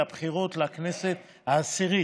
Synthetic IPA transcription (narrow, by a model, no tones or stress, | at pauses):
ab̥χiʁo̞t̪lakne̞set̪ | haːsiʁi